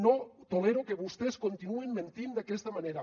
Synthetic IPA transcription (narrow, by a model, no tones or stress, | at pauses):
not̪oleɾokeβust̪eskont̪inuemmẽnt̪ind̪akest̪amaneɾa